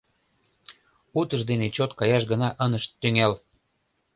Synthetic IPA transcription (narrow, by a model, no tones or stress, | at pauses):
ut̪əʃd̪enet͡ɕot̪kɑjɑʃɡənɑʔənəʃyŋel